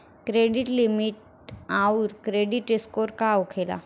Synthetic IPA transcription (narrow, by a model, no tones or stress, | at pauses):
kɾeɖiʈlimiʈ̚ | auɾkɾeɖiʈiskoɾkawkʰela̰